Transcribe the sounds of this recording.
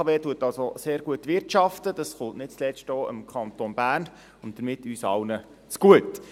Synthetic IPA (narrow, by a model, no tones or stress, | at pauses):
ɑʋeːtuətɑlsoseːɾɡuətʋɪrtʃɑftəd̥ɑsχʊntnɪt̚t͡slɛstɔːə̰mkʰɑnt̪onb̥æːn | ʊnd̥əɾmɪtːyːsɑ̰wnə | t͡sɡ̥uət